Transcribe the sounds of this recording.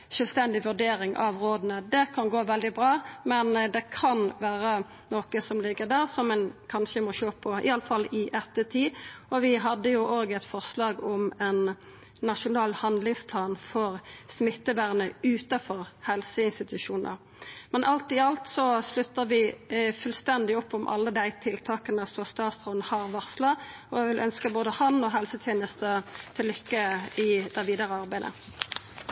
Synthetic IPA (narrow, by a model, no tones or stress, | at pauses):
ʃœlst̪ɛnd̪ɪʋʉɖeːɾɪŋʔɑ̰ʋʁoːd̪nəd̪ɛkʰɑnɡoːʋɛld̪ɪbʁɑːmɛnd̪ɛkʰɑnʋæːɾə | noːkəsɔmlɪɡːəʁd̪æʁsɔmɛnkʰɑnʃəmɔʃøːpʰɔɪ̰ɑləfɑlːɪʔɛt̪ːət̪ʰiːɔʋɪɦɑd̪ːəjʊʔoːɡɛt̪fɔʁslɑːɡɔmɛnː | ɑʂʊnɑːlhɑnd̪lɪŋspʰlɑːnfɔʁsmɪt̪ːəbæʁnəʉːt̪ɑfɔʁhɛlsəɪnst̪ɪt̪ʉʃuːnʔə̰ʁ | mɛnʔɑlt̪ɪɑlt̪sɔslʉt̪ːəʁʋɪfʉlst̪ɛnd̪ɪʊpːɔmʔɑ̰lːəd̪æɪt̪ʰɪlt̪ʰɑːkənəsɔst̪ɑːt̪sʁɔnhɑːʁʋɑʁslɑɔʋɪlʔœnskəboːd̪əhɑnɔɦɛlsət̪ʰjeːnəst̪ət̪ʰɪlːʏkːəɪd̪̥æʋiːd̪ɑʁəɑʁbæɪd̪ə̰